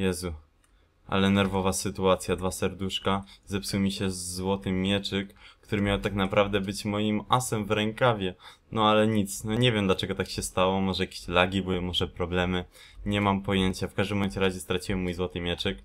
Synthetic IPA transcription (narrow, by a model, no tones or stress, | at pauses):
jɛzu | ʔa̰lɛnɛɾvɔvasɘt̪uat̪sʲjad̪vasɛɾd̪uʂkazɛpsuwmʲiɕɛzːwɔt̪ɘːjɛt͡ʂɘkːt̪uɾɘmʲjawt̪aknapɾʔavd̪ɛbɘt͡ɕmɔjimasɛmvɾɛŋkavʲjɛ | nɔalɛɲit̪snɔɲɛvʲjɛmd̪lat͡ʂɛɡɔt̪akɕɛst̪awɔmaʐɛjakʲe̥ɕlaɡʲibɔjɛmɔʐɛpɾɔblɛmɘ | ɲɛmampɔjeɲt͡ɕafkaʒd̪ɘmɔmɛnt͡ɕɛɾaʑɛst̪ɾat͡ɕiwɛmːujzwɔt̪ɘmʲjɛt͡ʂɛk